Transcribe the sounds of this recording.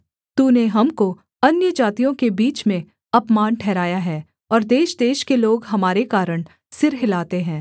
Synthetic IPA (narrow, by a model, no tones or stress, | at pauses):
t̪uːneɦɐmko | ɐnjəd͡ʒaːt̪ijõkebiːt͡ʃmẽ | ɐpmaːnʈʰɛːɾaːjaɦɛː | ɔːɾd̪eːʃd̪eːʃkeloːɡɦɐmaːɾekaːɾəɽ̃ | sɪɾɦɪlaːt̪eɦɛ̃ː